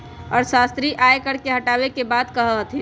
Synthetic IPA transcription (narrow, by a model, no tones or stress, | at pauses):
ɔːɾsaːst̪ɾiʔaːekəɾkeɦɐʈaːwekebaːd̪kəɦəɦt̪ʰĩ